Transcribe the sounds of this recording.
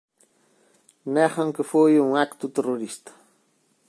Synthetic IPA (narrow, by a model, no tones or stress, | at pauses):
nehɑŋkɪfujʊŋakt̪ʊt̪eɾoɾɪst̪ḁ